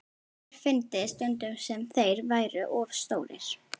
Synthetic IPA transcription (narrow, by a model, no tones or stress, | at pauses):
fɪnt̪ɪðst̪ʏnt̪ʏmsɛmθejɾvaːjɾʏʔɔvst̪oːwɾɪ̰ɾ̥